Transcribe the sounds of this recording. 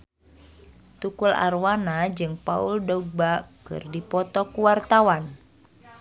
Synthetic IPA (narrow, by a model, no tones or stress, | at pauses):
t̪ukula̰rwanad͡ʒɨŋpauldɔɡ̚bakɨ̰rdipɔt̪ɔkuwart̪awan